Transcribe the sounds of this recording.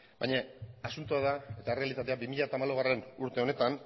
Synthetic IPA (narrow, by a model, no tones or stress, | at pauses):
bajɲaasunt̪uaðae̞t̪ae̞re̞alit̪at̪e̞abimiʎat̪aːmaloɣare̞nuɾt̪e̞o̞ne̞t̪an